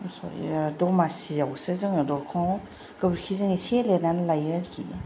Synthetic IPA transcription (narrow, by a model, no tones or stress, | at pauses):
sɔ̰j̰dɔmasijawsɯzɯŋdɔɾkʰɔw | ɡ̥ɯbɾkʰizɯŋisʰelenanlajaɾkʰḭ